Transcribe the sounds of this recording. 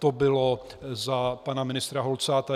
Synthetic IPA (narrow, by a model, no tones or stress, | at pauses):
t̪obɪlo | zapanamɪnɪst̪ɾaɦolt͡saːt̪a